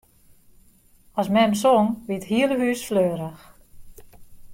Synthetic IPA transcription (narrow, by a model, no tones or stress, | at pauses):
ɔsmɛmsoŋʋiəthiələɦyːsfløːəɾəx